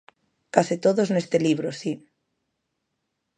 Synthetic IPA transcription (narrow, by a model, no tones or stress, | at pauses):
kasit̪oðoznest̪eliβ̞ɾosi